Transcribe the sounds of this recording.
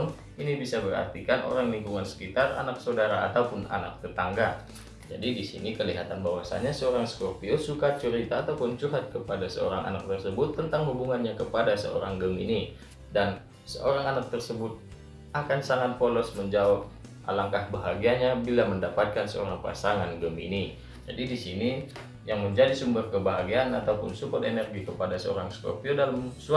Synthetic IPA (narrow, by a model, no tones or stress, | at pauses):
n | inibisabəɾa̰rt̪ikanʔo̰ɾaŋliŋkuŋansə̥kit̪ara̰naksawdaɾaːt̪aupʊna̰na̰k̚t̪ət̪aŋɡa | d͡ʒa̰didisḭnikəliɦat̪anbawasa̰ɲasəoɾaŋsə̥kɔrpiosukat͡ʃuɾit̪aːt̪awpunt͡ʃuɦat̪̚kəpadasə̰o̰ɾaŋʔa̰nak̚t̪ərsəbʊt̪ːənt̪aŋhubuŋanɲakəpadasə̰o̰ɾa̰ŋɡəmḭni | dan | sə̰ʔoɾaŋanak̚t̪ərsəbʊt̪̚ | akansaŋat̪̚folɔsməɲd͡ʒawap̚ | ʔa̰laŋkahbaɦaɡiaɲabilaməndapat̪̚kansə̰o̰ɾaŋpa̰saŋanɡəmḭni | d͡ʒadidisini | jaŋməɲd͡ʒadisumbərkəbaɦaɡianat̪aupʊnsupɔt̪enɛrɡikəpadasəo̰ɾaŋskɔ̰rpiodalamsua